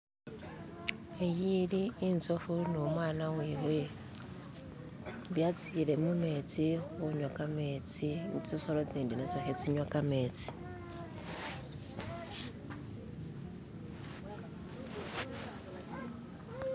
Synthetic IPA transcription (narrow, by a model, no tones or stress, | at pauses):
ejidiːn̩t͡sʼɔfunomwanaweβe | bjat͡sʰilɛmumet͡sʼiɣʊɲwakʼameːt͡sʼit͡sʼisɔlɔt͡sʼendinat͡sʼɔxet͡sʼiɲwakʼameːt͡sʼi̥